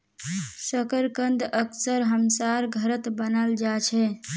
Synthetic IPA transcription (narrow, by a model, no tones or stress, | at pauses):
səkəɾkənd̪əksəɾɦəmsaɾɡʱəɾət̪bənəld͡ʒat͡ʃʰɛ